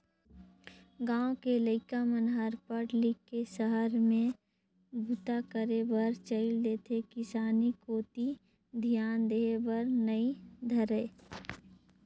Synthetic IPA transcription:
ɡãːõkeləɪkamənɦəɾpəɾlɪkːeʃəɦəɾmẽ | bʱut̪akəɾebəɾt͡ʃəɪld̪eːt̪ʰekɪsaːnikoːt̪i | d̪ʱijaːnd̪eːbəɾnəid̪ʱɐɾeː

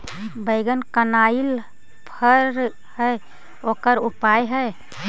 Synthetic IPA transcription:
bəjɡənkənail | pʰəɾ | həj | okəɾupajɦəj

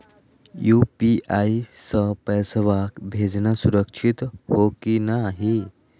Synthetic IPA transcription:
juːpiʔaisəpɛːsəʋakbʱeːd͡ʒnasuɾəkʃʰit̪hokinaɦi

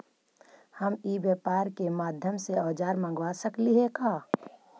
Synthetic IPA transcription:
həmiːbjeːpaːɾkemaːd̪ʱjəmseɔːd͡ʒaːɾmə̃ŋɡwasəkliɦekaː

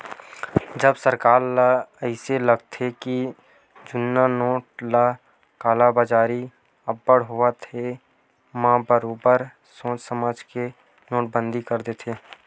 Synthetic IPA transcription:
d͡ʒəbsəɾkaːɾlaəɪseləɡ̚t̪ʰeki | d͡ʒʊnːanoːʈ̚laː | kaːlabaːd͡ʒaːɾi | əbːəɽɦoat̪ʰe | mãbəɾoːbəɾ | sõːt͡ʃsəmaːd͡ʒke | noːʈ̚bə̃nd̪ʱikəɾd̪et̪ʰeː

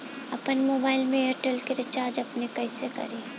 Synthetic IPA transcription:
ɐpənmoːbaːɪlmẽeːɾʈəlkeɾɪt͡ʃaːɾd͡ʒɐpnekɐisekɐ̰ɾiː

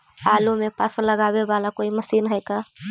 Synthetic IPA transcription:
alumepəsləɡabebalakoːiməsiːnɦəjka

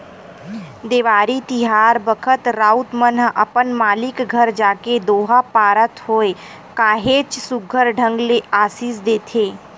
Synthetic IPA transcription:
d̪eːʋaːɾit̪ɪɦaːɾbəkʰət̪ɾaːut̪mənə̰pənmaːlɪkɡʱəɾd͡ʒaːked̪oːɦapaːɾət̪ɦoːe | kaːɦeːt͡ʃsʊɡʱəɾɖʱə̃ŋɡleaːsiːsd̪eːt̪ʰeː

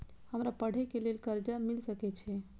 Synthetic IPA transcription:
həmɾapəɽ̤ekelelkəɾd͡ʒamilsəkɛt͡ʃʰɛ

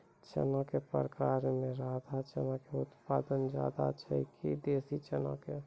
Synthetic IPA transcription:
t͡ʃə̰nãkepə̰ɾəkaːɾmẽɾaːd̪ʱat͡ʃənãkeʊt̪paːd̪ənd͡ʒa̰ːd̪a̰t͡ʃʰɛ̰kʰḭd̪eːsit͡ʃənã̰ke

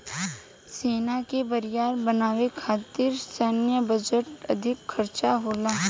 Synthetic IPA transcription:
seːnakebəɾɪjaːɾbənaːʋekʰaːt̪ɪɾsənjəbəd͡ʒəʈɐd̪ʱɪkʰxəɾt͡ʃaɦoːlaː

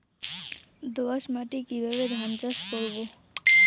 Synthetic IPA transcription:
d̪oaʃmaʈikibʱaβed̪ʱant͡ɕaʃkoɾbo

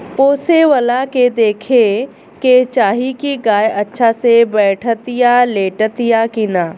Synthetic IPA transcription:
poːseʋəlaked̪eːkʰe | ket͡ʃaːɦikiɡaːjɐtːʃʰasebɛːʈʰət̪jaleːʈət̪jakinaː

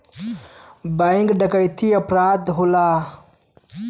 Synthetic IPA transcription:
baiŋɡɖakajt̪iapɾad̪ɦula

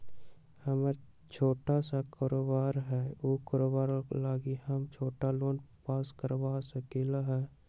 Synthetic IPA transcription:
həməɾ | t͡ʃʰoːʈasakɔːɾoːbaːɾɦɛːoːkɔːɾoːbaːɾlaːɡihəmt͡ʃʰoːʈaloːnpaːskəɾbaːsəkeːlaɦɛ

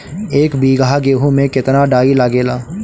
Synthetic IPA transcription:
eːkbiːɡaɡeːɦũmẽkɪt̪naɖaːilaɡeːlaː

